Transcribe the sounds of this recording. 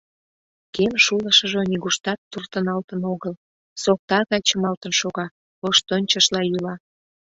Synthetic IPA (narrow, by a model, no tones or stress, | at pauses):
kemʃuləʃə̆ʒoniɣuʃt̪ɑt̪ːurt̪ənɑlt̪ənoɣəl | sok̚t̪ɑɣɑjt͡ɕəmɑlt̪ənʃoɣɑ | oʃt̪onʲt͡ɕəʃlɑjylɑ